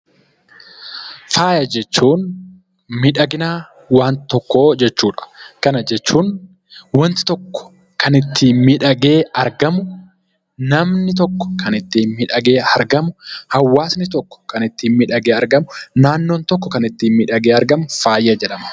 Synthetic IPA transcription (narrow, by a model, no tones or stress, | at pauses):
faːjɐd͡ʒɛt͡ʃːuːn | mɪᶑɐɡɪnaː | waːnt̪ɔkːo̞ːd͡ʒɛt͡ʃːuːᶑɐ̥kɐnɐd͡ʒɛt͡ʃːuːn | wɐnt̪ɪ̥t̪ɔkːɔ̥ | kɐnɪt̪ːiːnmɪᶑɐɡe̞ːɐɾɡɐmʊ | nɐmnɪt̪̬ɔkːɔ̥kɐnɪt̪ːiːnmɪᶑɐɡe̞ːɐɾɡɐmʊhɐwːaːsnɪt̪ɔkːɔ̥kɐnɪt̪ːiːnmɪᶑɐɡeːɐɾɡɐmʊnaːnːoːnt̪ɔkːɔkɐnɪt̪ːiːnmɪᶑɐɡeːɐɾɡɐmʊfaːjɐd͡ʒɛᶑɐmɐ̥